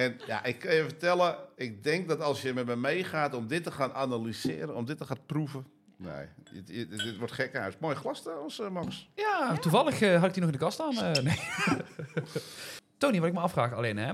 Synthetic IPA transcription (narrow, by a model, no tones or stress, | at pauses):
ɛnja̰ʔɪkʰːɑnjəfətɛlˠəɪk̚dɛŋk̚dɔtɑlˠsjəmɛtmɛjmejχaːtɔmdɪtəxaːnanalisɪ̰ːɾənɔmdɪtːəxaːnpruvə | nḛjə̰ədɪtʋɔɹtxɛkasmojəxlastəɔsəmɔksjaːtuvɑlˠəxəɦɑtɪk̚dinɔxɪndəkɑstaːnəne | toːniʋɔtɪkməɑfraːxalenɛ